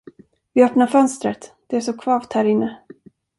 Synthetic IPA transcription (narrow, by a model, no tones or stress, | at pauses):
vɪœpnaɾfœnst̪ɾət̪d̪̥ɛæʂɔkʰvɑːvt̪hæːɾɪnːə